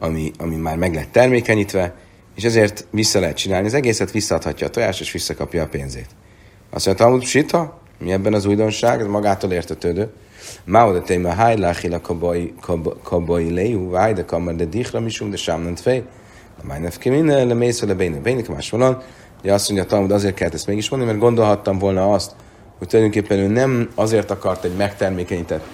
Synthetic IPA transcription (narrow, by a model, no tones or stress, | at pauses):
ɒmiɒmimaːrmɛɡlɛt̪ːɛrmeːkɛɲit̪ʋɛ | eːʃɛzeːrt̪ʋisːɒlɛɦɛt̪t͡ʃinaːlniɒzɛɡeːsɛt̪ʋisːɒːt̪hɒcːɒːt̪oja̰ːʃt̪eːʃʋisːɒkɒpjɒːpeːnzḛːt̪ | ɒ̰sːoɲɟt̪ɒlmud̪ʃit̪ʰɒ | miɛbːɛnɒzuːjd̪o̞nʃaːɡmɒɡaːt̪oːleːrt̪ɛt̪øːd̪øː | maod̪ɛt̪ejmɛɦaj̪laχilɛkbkʰkʰɒbojilejɦuvajd̪ɛkɒmɛrd̪ɛd̪iχrɒmiʃumd̪ɛʃamnɔnt̪fej | lɛma̰jnɛfkiminɛlɛmejsɛlɛbejnɛbejnikma̰ːʃʋolon | uɟɛɒsːoɲɟɒːt̪ɒlmud̪ɒzeːrt̪kɛlːɛt̪ɛst̪meːɡiʃmnd̪nimɛrd̪ɡo̞nd̪o̞lɦɒt̪ːɒmvolnɒɒst̪ | hoc̚t̪ulɒjd̪øŋkeːpːɛnøːnɛmɒzeːrt̪ɒkɒrt̪ɛɟmɛkt̪ɛrmeːkɛɲit̪ɛt̪